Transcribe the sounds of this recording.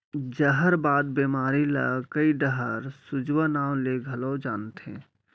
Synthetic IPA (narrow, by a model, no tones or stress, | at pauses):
d͡ʒəɦəɾbaːd̪̚bemaːɾila̰kəiɖəɦəɾsʊd͡ʒwanaːwleɡʱəlɔd͡ʒaːnt̪ɦɛ̰̃